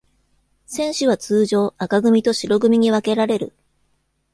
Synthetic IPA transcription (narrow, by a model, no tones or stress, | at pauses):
sẽ̞ɰ̃ɕɨβat͡sɨːʑo̞ːakaɡɯ̟mʲit̪o̞ɕiɾo̞ɡɯ̟mʲiɲ̟iβake̞ɾaɾe̞ɾɯ̟